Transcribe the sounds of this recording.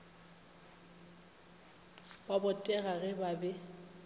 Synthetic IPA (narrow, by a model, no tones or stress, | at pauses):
babʊtʼɛɣaɣɛbabɛ